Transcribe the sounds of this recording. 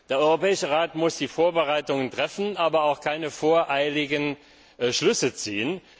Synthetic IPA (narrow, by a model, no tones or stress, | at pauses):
d̥eːɐɔʏʁopɛːɪʃəʁaːtmʊsd̥iːfoːɐbəʁaɪtʊŋəntʁ̥ɛfn̩ʔaːbɐaʊxkʰaɪnəfoːɐʔaɪlɪɡən | ʃlʏsət͡siːən